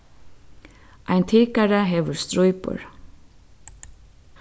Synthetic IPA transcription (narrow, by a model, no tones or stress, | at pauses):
ʔæɪnt̪ʰɪːkaɾəɦeːʋəɹst̪ɾɔʏpʊ̰ɹ